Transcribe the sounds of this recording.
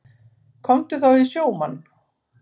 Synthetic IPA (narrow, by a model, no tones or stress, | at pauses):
kʰɔmt̪ʏθawisjoːwmanː